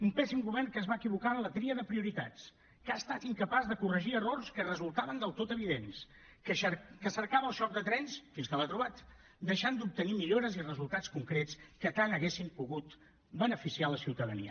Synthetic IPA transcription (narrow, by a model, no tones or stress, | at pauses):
umpɛsimɣuβɛrnkəzβaəkiβukalət̪ɾiəðəpɾiuɾit̪a̰t͡s | kaəst̪at̪iŋkəpazðəkurəʒiərorskərəzulˠt̪aβənd̪əlˠt̪ot̪əβ̞iðens | kəʃkəsəɾkaβəlˠʃɔk̚d̪ət̪ɾɛnsfinskələt̪ɾuβ̞at̪ | d̪əʃand̪up̚t̪ənimiʎoɾəzirəzulˠt̪askuŋkɾet͡skət̪anəɣesimpuɣut̪ | bənəfisialəsiwt̪əðənḭə̰